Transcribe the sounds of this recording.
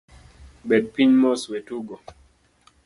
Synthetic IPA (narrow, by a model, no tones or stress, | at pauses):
bɛd̚piɲmɔswetuɡɔ